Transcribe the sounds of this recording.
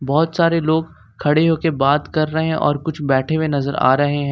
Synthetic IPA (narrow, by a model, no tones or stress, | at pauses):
bɔːʊt̪saːɾeloːɡ | kʰːɐɽeɦoːkebaːt̪kɐɾːɐɦeɦɛ̃ʔɔ̰ːɾkʊt͡ʃʰbɛːʈʰewẽnɐzəɾa̰ːɾɐɦeɦɛ̃ː